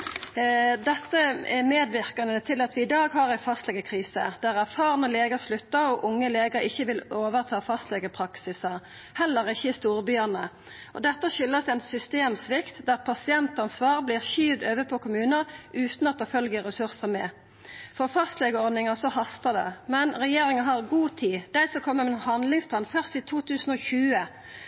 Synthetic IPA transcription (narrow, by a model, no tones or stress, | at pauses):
d̪ɛt̪ːəɛmeːd̪ʋɪʁkɑnət̪ʰɪlɑt̪ʋɪɪd̪ɑːɡɦɑʁæɪfɑst̪lɛɡəkʰʁiːsə̰d̪̥æʁæʁfɑːʁnəleːɡəʁslʉt̪ːəʁɔʔʊŋːəleːɡəɾɪçːəʋɪloːʋəʁt̪ʰɑːfɑst̪lɛɡəpʰʁɑksɪsəʁ | hɛlːəʁɪçːəɪst̪uːʁbyːənə | ʔɔ̰d̪ɛt̪ːəɕʏlːəsɛnsʏst̪eːmsʋɪkt̪d̪æʁpʰɑsɪɛnt̪ɑnsʋɑːʁbliːʁçiːʋd̪øːʋəpʰɔkʰʊmʉːnəʁʔʉːt̪nɑt̪d̪ɛfœlɡəʁɛsʉʁsəmɛ | fɔʁfɑst̪lɛɡəɔʁd̪nɪŋɑsɔhɑst̪əd̪ɛ̰mɛnʁɛjeːʁɪŋəɦɑʁɡuːt̪ʰiːd̪̥æɪsɔkʰɔmːəmɛnhɑnd̪lɪŋspʰlɑːnfœʁst̪iːt̪ʰuːt̪ʰʉːsn̩ɔçʉːə